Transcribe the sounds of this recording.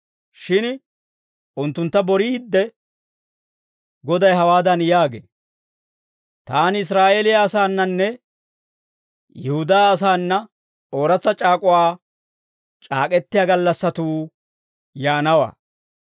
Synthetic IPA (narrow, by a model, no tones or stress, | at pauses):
ʃɪn | ʔʊnt̪ːʊnt̪ːɐbɔɾiːd̪ːɛ | ɡɔd̪ɐjɦɐwaːd̪ɐnjaːɡḛː | t̪aːnɪs̬ɾaːʔeːlɪjaːsaːnːɐnːɛ | jɛhʊd̪aːs̬aːnːɐ | o̞ːɾɐt͡sːɐt͡ʃʼaːkʼʊwaː | t͡ʃʼa̰ːkʼɛt̪ːɪjaːɡɐlːɐsːɐt̪uː | jaːnɐwa̰ː